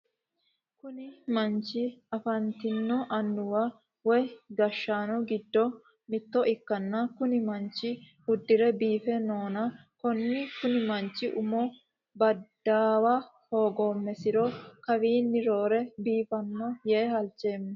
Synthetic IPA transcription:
kʊnɪmɐnt͡ʃːɪɐfɐnt̪ɪnːɔʔɐnːʊwa | wɔjɡɐʃːaːnɔɡɪd̪ːɔ | mɪt̪ːɔʔɪkːɐnːɐkʊnɪmɐnt͡ʃɪ | hʊd̪ːɪɾɛbiːfɛnoːnɐkɔnːɪkʊnɪmɐnt͡ʃːɪʔʊmɔ | bɐd̪ːaːwahoːɡoːmːɛsɪɾɔkɐwiːnːɪɾoːɾɛbiːfɐnːɔjeːhɐlt͡ʃːeːm

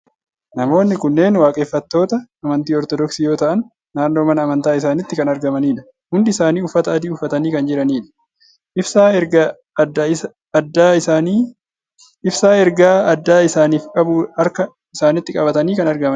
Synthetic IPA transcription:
nɐmo̞ːnːɪkʊnːe̞ːnwaːkʼefːɐt̪ːo̞ːt̪ɐːmɐnt̪iːɔɾt̪ɔd̪ɔksiːjo̞ːt̪ɐʔɐnː | aːnːo̞ːmɐnɐːmɐnt̪aːɪsaːnɪt̪ːɪkɐnɐɾɡɐmɐniːᶑɐ̥ | hʊnd̪ɪɪsaːniːʊfːɐt̪ɐːd̪iːʊfːɐt̪ɐniːkɐnd͡ʒɪɾɐniːᶑɐ̥ | ʔɪfsaɡ | d̪ | ɐd̪ːaːaniː | ɪfsaːɛɾɡaːɐd̪ːaːɪsaːniːfkʼɐbuɐɾkɐ | ɪsaːnɪt̪ːɪkʼɐbɐt̪ɐniːkɐnɐɾɡɐmɐn

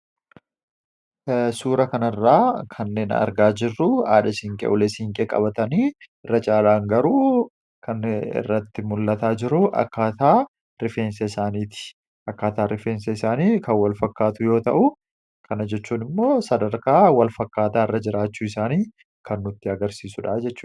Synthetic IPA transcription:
suːɾɐkɐnɐrːaːkʰɐnːe̞ːnɐ̰ɾɡaːd͡ʒɪrːʊaːᶑɐsɪŋkʼɛ̰ʔʊlesɪŋkʼeːkʼɐ̰bɐt̪ɐniːɪrːɐt͡ʃʼaːlaːŋɡɐɾuː | kʰɐnɪ̰rːɐt̪ːɪmʊlːɐt̪aːd͡ʒɪɾʊʔɐ̰kːaːt̪aː | ɾɪfeːnseɪsaːniːt̪ɪ̥ | ʔɐkːaːt̪aːɾɪfeːnseɪsaːniːkɐnwɐlfɐkːaːt̪ʊjo̞ːt̪ɐʔʊ | kʰɐnɐd͡ʒɛt͡ʃːuːnɪmːo̞ːsɐd̪ɐɾkaːwɐlfɐkːaːt̪aːɪrːɐd͡ʒɪɾaːt͡ʃːuːɪsaːniː | kʰɐnːʊt̪ːɪɐɡɐɾsiːsʊᶑaːd͡ʒɛt͡ʃːuːn

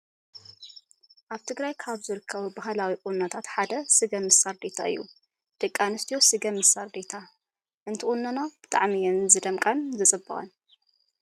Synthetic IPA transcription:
ʔaβt̪ʰɨɡɾajkʰaβzɨɾɨkʰːɐβubaɦlawiʔʼunːɐt̪ʰat̪ħad̪ɐsɨɡɐmɨsaɾd̪et̪ʰa̰ɨ̰jːṵ | d̪̥ɨkʼːanɨst̪ʰijosɨɡɐmɨsaɾd̪et̪ʰa | ʔɨnt̪ʰiʔʼunːanabɨt̪ʼa̰ʕmijɛnzɨd̪ɐmkʼɐnzɨt͡sʼɨbːɨχʼɐ̰n

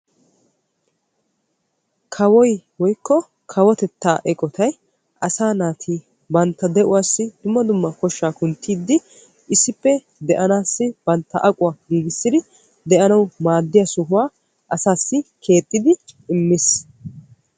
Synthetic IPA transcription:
kʰɐwɔjwɔjkːɔ | kʰɐwɔt̪ɛt̪ːaːʔɛkʼɔt̪ʰɐj | ʔɐsaːnaːt̪ʰiː | bɐnt̪ːɐd̪ɛʔʊwaːsːɪd̪̥ʊmːɐd̪ʊmːɐkɔʃːaːkʊnt̪ʰːiːd̪ːɪ | ɪsːɪpːɛ | d̪ɛʔɐnaːsːɪb̥ɐnt̪ːɐ̰ʔɐkʼʊwaɡiːɡɪsːɪd̪ɪ | d̪ɛʔɐnɐwmaːd̪ːɪjɐsʊɦʊwaː | ʔɐsaːsːɪkʰe̞ːt̪ʼːɪd̪ɪɪmːɪs

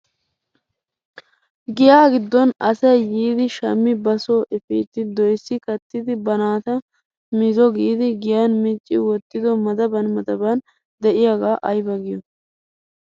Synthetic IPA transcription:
ɡɪjaːɡɪd̪ːɔnɐsɐjjiːd̪ɪʃɐmːɪbɐsoːʔɪfḭːt̪ːɪd̪ɔjsːɪkɐt̪ːɪd̪ɪbɐnaːt̪ɐ | mɪzɔɡiːd̪ɪɡɪjanmɪt͡ʃʼːɪwɔt̪ːɪd̪ɔmɐd̪ɐbɐnmɐd̪ɐban | d̪ɛʔɪjaɡaːʔɐjbɐɡɪjɔ

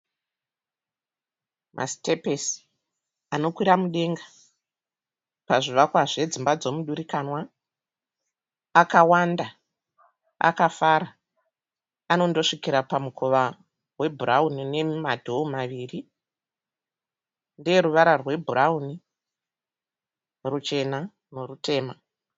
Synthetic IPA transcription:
mʔa̰stepes | ano̞kwiɾamuɗe̞ŋɡa | paʐiʋakwaʐe̞d͡zimbad͡zo̞muɗuɾikanwa | akawanda | a̰kafaɾa | ano̞ndo̞ʂikiɾapamukʰo̞ʋa | rwe̞bʱuɾaunine̞madʱomaʋiːri | ndɾuʋaɾarwe̞bʱurauni | rut͡ʃe̞na | norute̞ːma

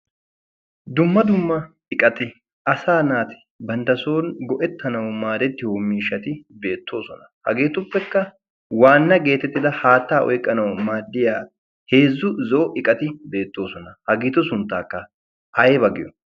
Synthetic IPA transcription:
d̪ʊmːɐd̪ʊmːɐ | ɪkʼɐt̪ɪ | ʔɐsaːnaːt̪ɪ̥ | bɐnd̪ɐso̞ːnɡɔʔɛt̪ːɐnɐwʊmaːd̪ɛt̪ːɪhoːmiːʃːɐt̪ɪbe̞ːt̪ʰːo̞ːsɔnɐhɐ̰ɡeːt̪ʊpːɛkːɐ | waːnːɐɡe̞ːt̪ːɛt̪ːɪd̪ɐhaːt̪ːaːʔɔ̰jkʼːɐnɐwʊmaːd̪ːɪjaː | he̞ːzːʊzɔʔɔʔɪkʼɐt̪ɪbe̞ːt̪ːo̞ːsɔnɐhɐɡeːt̪ːʊsʊnt̪ːaːkːɐ | ʔɐjebɐɡɪjɔ

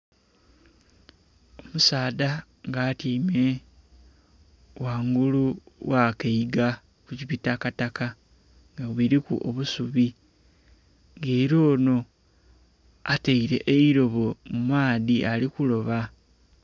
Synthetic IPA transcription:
o̞musaːda | ŋɡaːtime | waːŋɡuluwakeiɡa | kucipitakataka | ŋɡawiɾikṵʔo̰βusuβi | ŋɡeiɾo̞ːno̞ | ateiɾe̞̰ʔeiɾo̞βo̞mumaːðiʔalikulo̞βa

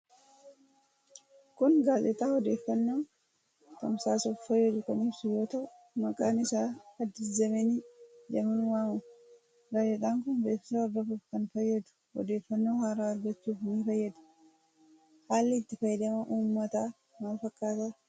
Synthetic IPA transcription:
kʊnɡaːzɛt̪aːhɔd̪e̞ːfːɐnːoː | t̪ɐmsaːsuːffɐjːɛd̪ʊkɐnɪbsʊjo̞ːt̪ɐʔʊ | mɐkʼaːnɪsaːɐd̪ːɪzɐmɛnid͡ʒɛmɐnwaːmʊ | bɐjːɛt̪ʼaːŋkʊnbeːfɪsɐɔɾd̪ɐfuːfkɐnfɐjːɐd̪ʊ̥ | wɔ̰d̪e̞ːfːɐnːoːhaːɾaːɐɾɡɐt͡ʃːuːfnifɐjːɐd̪ɐ̥ | haːlːɪɪt̪ːɪfɐjːɛd̪ɐmɐʔuːmːɐt̪aː | maːfɐkːaːt̪a

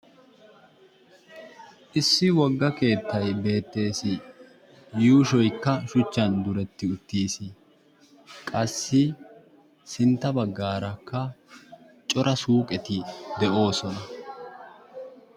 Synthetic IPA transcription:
ʔɪsːɪwɔɡːɐke̞ːt̪ːɐjbe̞ːt̪ːe̞ːsɪ | juːʃɔjkːɐʃʊt͡ʃːɐnd̪ʊɾɛt̪ːɪʊt̪ːiːsɪ | kʼɐsːɪ | sɪnt̪ːɐbɐɡːaːɾɐkːɐ | t͡ʃʼɔɾɐsuːkʼɛt̪ɪd̪ɛʔo̞ːsɔnɐ

